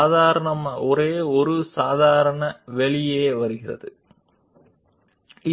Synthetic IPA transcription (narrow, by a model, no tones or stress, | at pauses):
ðaːɾɐɳɐmaʔɔɾeːɔɾɯsaːðaːɾɐɳɐʋɛɭɪjeːʋɐɾɯɣɪrɐ̰ðɯ | ɪ